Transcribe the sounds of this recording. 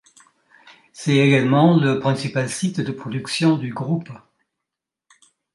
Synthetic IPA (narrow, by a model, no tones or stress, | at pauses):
sɛeɡalmɑ̃ləpχɛ̃sipalsit̪d̪əpχɔd̪yksjɔ̃d̪yɡʁup